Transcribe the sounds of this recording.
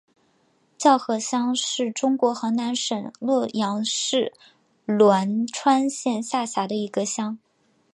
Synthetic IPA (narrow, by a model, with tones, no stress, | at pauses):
t͡ɕjɑ˥˧ʊxɤ˧˥˩ɕjɑ˥ŋʂɻ̩˥˩ʈ͡ʂʊ˥ŋkwɔ˧˥xɤ˧˥na˧˥nʂə˨˩nlwɔ˥˩jɑ˧˥ŋʂɻ̩˥˩ | lwa˧˥nʈ͡ʂʰwa˥nɕjɛ˥˧nɕa˥˩ɕja˧˥d̪ə˧i˧˥ɡə˧ɕjɑ˥ŋ